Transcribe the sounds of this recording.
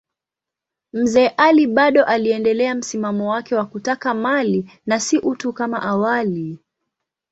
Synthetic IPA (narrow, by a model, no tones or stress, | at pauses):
m̩zɛːʔaliɓaɗɔʔaliɛndɛlɛam̩simamɔwakɛwakutakamalinasiʔutukamaʔawali